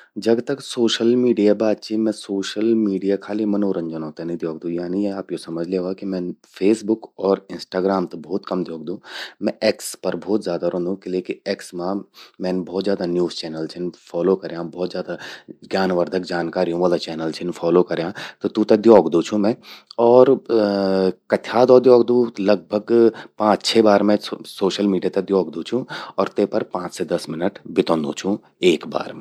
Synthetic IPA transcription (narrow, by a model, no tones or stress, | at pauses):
d͡ʒɐɡt̪ɐksoːʃəlmiːɖijabaːd̪̚t͡ʃimɛ̃soːʃəlmiːɖijakʰaːlimɐnoːɾɐ̃ɲd͡ʒənɔ̃ːt̪ɛnĩd̪joːɡd̪ũjaːnijeaːpjosɐməd͡ʒʱleːʋaːkimɛ̃ːnfʰeːsbʊkɔːɾɪnsʈaːɡɾaːmt̪ɐbʱɔːt̪kɐmd̪ʱjoːɡ̚d̪ũːmɛ̃ʔekspɐɾbʱɔːt̪zʲjaːd̪aɾõːnd̪ũkɪleːkieːksmãmɛ̃ːnbʱɔːt̪zjaːd̪anjuːzt͡ʃɛːnəlt͡ʃʰɪnfʰɔːloːkɐɾjãːbɔːt̪zjaːd̪aɡjaːnʋəɾd̪ʱəkd͡ʒaːnkaːɾiũʋaːlat͡ʃɛːnəlt͡ʃʰɪnfʰɔːlokɐɾjãːt̪ot̪ũt̪ɐd̪jɔːɡd̪ũt͡ʃʰũmɛ̃ːɔːɾ | kɐt̪ʰjaːd̪ɔːd̪jɔːɡd̪ũlɐɡ̚bʱəɡpãːt͡ʃt͡ʃʰeːbaːɾmẽsoːʃəlmiːɖijaːt̪ɐd̪joːɡd̪ũt͡ʃʰũɔːɾt̪epɐɾpãːt͡ʃsed̪ɐsmɪnəʈbɪt̪ɔ̃ːnd̪ṵ̃t͡ʃʰũ | eːkba̰ːɾmẽː